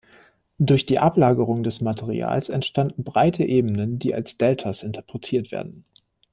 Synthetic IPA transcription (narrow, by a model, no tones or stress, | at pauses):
d̥ʊɐçd̥iːʔaplaːɡəʁʊŋdɛsmatʰeʁḭa̰ːlsɛ̰ntʃtandn̩bʁaɪtʰəʔeːb̩nəndiːa̰lsd̥ɛltʰasʔɪntʰɐpʁ̥ɛtʰiːɐtv̥ḛɐdn̩